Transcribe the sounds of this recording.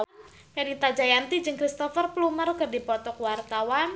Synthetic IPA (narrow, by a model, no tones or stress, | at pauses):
janit̪ad͡ʒajant̪id͡ʒɨŋkɾist̪ɔfərplumərkɨrdipɔt̪ɔkwart̪awan